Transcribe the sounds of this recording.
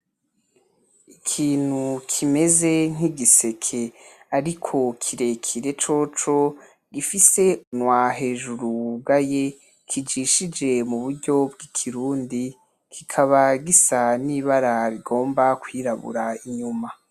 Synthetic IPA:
ikʰiːn̥hukʰime̞ze̞ŋ̥iɡise̞kʰe̞aɾikʰo̞kʰiɾe̞kʰiɾe̞t͡ʃo̞t͡ʃo̞ | ɡifise̞nwaɦe̞ːʒuɾub̚ɡaje | kʰid͡ʒiʃid͡ʒe̞muβuɾɟo̞bɡikʰiɾuːndi | kʰikʰaβaɡisaniːβaɾaɾiɡo̞ːmbakwiːɾaβṵɾaiɲuma

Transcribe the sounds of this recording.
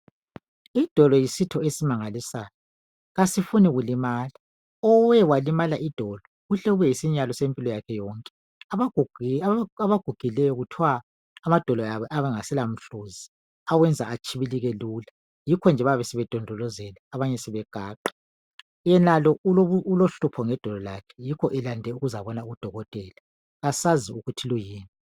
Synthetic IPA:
id̥ʱɔlɔjisitʰɔesimaŋalisaːjɔ | ɣasifunɛɣulimaːla | ɔwɛwalimalaʔid̥ʱɔlɔɣuɬɛɣuβɛjisiɲalɔsempʼilɔjakʰɛjɔŋkʼɛ̥ | aβaɡ̥ʱuɡ̥ʱilɛjɔɣutʰwaː | mad̥ʱɔlɔjaβɔʔaβɛŋasɛlam̩ɬoːzi | awɛnd͡zʱa̰at͡ʃʼʰiβiliɣɛluːla | jikʰɔnd͡ʒʱɛβaβɛsɛβɛd̥ʱɔndʱɔlɔzɛlaːβaɲɛsɛβɛɡ̥ʱaːǃḁ | jɛnalɔouloɬupʰɔŋɛd̥ʱɔlɔlakʰɛ̥jikʰɔʔɛlandʱɛuɣuzaβɔnauɣud̥ʱɔɣɔtʼɛːla | ɣasaziuɣutʰilujiːni

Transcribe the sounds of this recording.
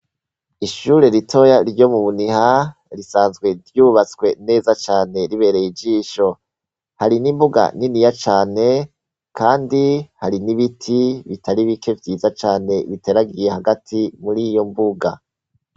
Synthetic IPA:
iʃuɾe̞ɾitʰo̞jaɾɟo̞muβuniɦa | ɾisaːnzɡwe̞ɾjuːβat͡sɡwe̞ne̞ːzat͡ʃaːne̞ɾiβe̞ːɾe̞jid͡ʒiːʃo̞ | haɾinimbuɡa̰ninijat͡ʃaːne̞ | kaːndihaɾiniβitʰiβitaɾiβike̞vjiːzat͡ʃaːne̞βite̞ɾaɡije̞haɡatʰimuɾijo̞mbuɡa

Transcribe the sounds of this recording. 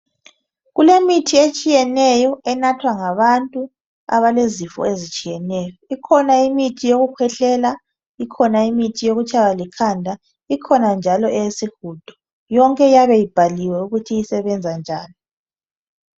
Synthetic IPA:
ɣulemitʰiet͡ʃʼijɛnɛjɔɛnatʰwaŋaβantʼu | a̰βalezifɔ̰ezit͡ʃʼijɛnɛjɔikʰɔnaimitʰijoɣukʰwɛɬɛla | ikʰɔnaimitʰijoɣut͡ʃʼaβalikʰandʱa | ikʰɔnand͡ʒʱalɔɛjesixud̥ʱɔ̥ | jɔŋkʼɛjaβɛjib̥ʱaliwɛuɣutʰijisɛβɛnd͡zʱand͡ʒʱaːni

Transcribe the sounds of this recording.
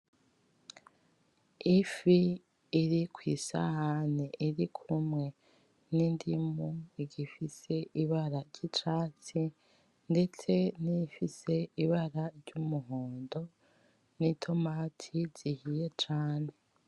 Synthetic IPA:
ifiː | ɾikwiːsa̰haneʔiɾikʰumŋe̞ | nindimuiɟifise̞ʔiβaɾaɟ̥itaːt͡si | nde̞t͡se̞nifise̞iβaɾaɾɟumuɦoːndo̞ | nitʰo̞matʰiz̥ihije̞t͡ʃaːne̞

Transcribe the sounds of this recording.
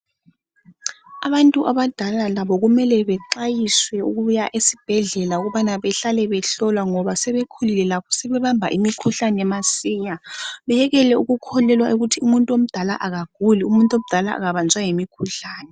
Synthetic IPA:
aβantʼuʔaβad̥ʱalalaβɔɣumɛlɛβɛǃajiswɛuɣujaʔesi̥b̥ʱɛɮɛlauɣuβanaβɛɬalɛβɛɬɔlwaŋɔβasɛβekʰulilɛlapʰɔ̥sɛβɛβambʱa̰ʔimikʰuɬanɛɛmasiːɲaβɛjɛɣɛlɛuɣukʰɔlɛlwaʔuɣutʰiumuntʼom̩d̥ʱala̰ʔaɣaɡ̥ʱuliumuntʼom̩d̥ʱala̰ːɣaβand͡zʱwaŋemikʰuɬaːnɛ

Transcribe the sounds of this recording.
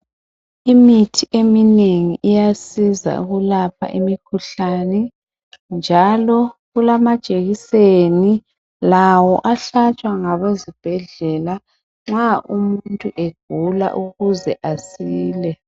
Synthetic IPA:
imitʰiʔemineŋiʔijasiza̰ṵɣulapʰa̰ʔimikʰuɬanɛ | nd͡ʒʱalɔɣulamḁt͡ʃʼeɣiseni | lawɔʔaɬat͡ʃʼwaŋaβezib̥ʱɛɮɛla | ŋ͡ǁaʔumuntʼuʔeɡ̥̚ʱula̰ʔuɣuzɛ̰ʔasiːlɛ

